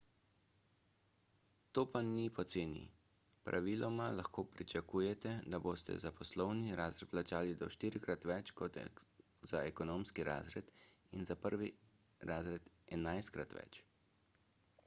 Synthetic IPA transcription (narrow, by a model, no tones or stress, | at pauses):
t̪oːpanipɔt̪seːnḭ | pɾʔa̰ʋilɔmalaxkoːpɾit͡ʃakuːjɛt̪ɛd̪aboːst̪ɛ̰zapɔslɔwniɾaːzɾɛt̪plat͡ʃaːlid̪ɔʃt̪iːɾikɾat̪ʋɛt͡ʃkɔt̪z̥aɛkɔnoːmskiɾaːzɾɛt̪inzapəɾʋi | ɾaːzɾɛt̪ | ɛnajst̪̚kɾat̪ʋɛ̰t͡ʃ